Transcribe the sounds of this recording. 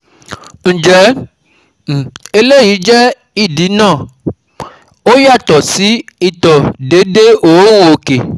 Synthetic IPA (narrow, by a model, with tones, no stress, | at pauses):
ŋ̩˨d͡ʒɛ˨˦˨ | e˨le˦ji˨˦d͡ʒɛ˦ | i˦˨di˨˦nãː˦˨ | o˦ja˦˨t̪ɔ˨si˨˦i˦˨t̪ɔ˨ɖe˨˦de˦ʔo˨˦ŋũ˦o˨ke˨